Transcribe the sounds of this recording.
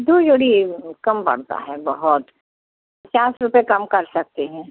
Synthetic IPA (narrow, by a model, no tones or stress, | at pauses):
d̪uːd͡ʒoːɽikɐmpɐ̰ɽ̤t̪a̰ɦɛbɐɦʊt̪ | pɐt͡ʃaːsɾʊpekɐmkɐɾsɐk̚t̪eɦɛ̃ː